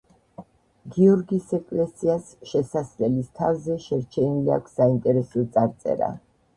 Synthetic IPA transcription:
ɡiɔɾɡisɛkʼlɛsias | ʃɛsaslɛlist̪ʰavzɛʃɛɾt͡ʃʰɛnilia̰kʷʰsːaint̪ʼɛɾɛsɔt̪sʼaɾt̪sʼɛ̰ɾa̰

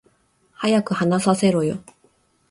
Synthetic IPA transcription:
hajakɯ̟hanasase̞ɾojo

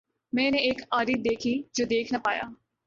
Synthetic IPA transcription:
mɛ̃ːneeːkaːɾiːd̪eːkʰiːd͡ʒoːd̪eːkʰnaːpaːja̰ː

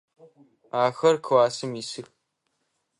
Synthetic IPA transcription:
aːxɐrkʰɨwaːsɨmiːsɨx

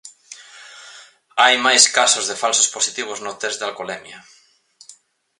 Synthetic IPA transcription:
ajmajskasozðefalsʊsposit̪iβ̞ʊznot̪ezðalkolɛmja

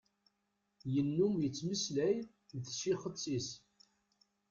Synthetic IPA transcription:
jənːumjət͡sːməslæj | θə̥ʃiχətˤːis

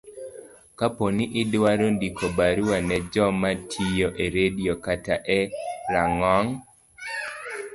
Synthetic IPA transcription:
kaponiʔɪdwaɾondikʰobaɾiwanɛd͡ʒɔmatʰijoʔeɾedijokataʔɛɾaŋɔŋ

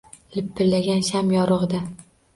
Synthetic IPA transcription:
lɪpʰːɪlːaɡʲanʃamjɒɾoʁɨd̪a

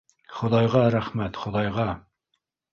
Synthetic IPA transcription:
χŏðɑjʁɑɾæχmæt̪χŏðɑjʁɑ

